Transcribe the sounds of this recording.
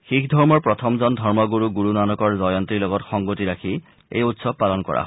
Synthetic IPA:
xikʰdʱɔɹmɔɹpɹɔt̪ʰɔmzɔndʱɔɹmɔɡuɹuɡuɹunanɔkɔɹzɔjɔnt̪ilɔɡɔtxɔŋɡotiɹakʰi | ḛjutsɔb̚palɔnkɔ̰ɹa̰ɦ

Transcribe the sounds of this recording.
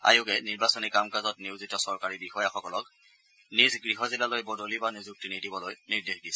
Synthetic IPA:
a̰jʊkɛniɹbasɔnikamkazɔtniwzitɔsɔɹkaɹibixɔjaxɔkɔlɔk | nizɡɹiɦɔzilalojbɔdolibanizuk̚tinidibɔlojniɹdexdisɛ

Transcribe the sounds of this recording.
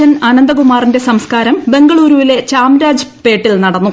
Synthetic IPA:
ɐnɐnɐnd̪ɐkumaːrinde̞sɐmskaːɾɐmbe̞ŋɡɐɭuːɾuʋile̞t͡ɕaːmɾaːd͡ʑpe̞ːʈːilnɐɽɐnːu

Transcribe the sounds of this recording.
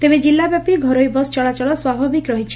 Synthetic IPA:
t̪ebed͡ʒilːabjapiɡʱɔɾojbɔsɔ̥t͡ʃɔɭat͡ʃɔɭɔswabʱabikɾɔɦit͡ʃʰi̥

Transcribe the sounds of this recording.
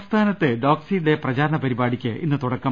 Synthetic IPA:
st̪ʰaːnɐtt̪ːɨɖoːksiːɽe̞prɐt͡ɕaːɾɐɳɐpɐɾibaːɽikʲːɨinːɨt̪uɽɐkːɐ

